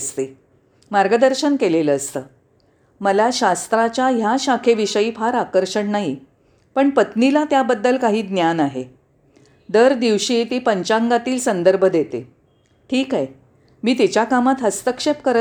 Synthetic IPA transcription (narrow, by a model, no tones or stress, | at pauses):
st̪e | maɾɡəd̪əɾɕənkeleləːst̪əː | məlaɕast̪ɾat͡ɕjaɦjaɕakʰeʋiɕəiːfaɾakəɾɕəɳnaɦi | pəɳpət̪nilat̪jabəd̪ːəlkaɦiːd̪njanaɦe | d̪əɾd̪iʋɕiːt̪iːpəɲt͡ɕãŋɡat̪iːlsənd̪əɾbʱəd̪et̪ḛ | ʈʰiːkae | miːt̪̬it͡ɕjakamat̪ɦəst̪əkʂep̚kəɾ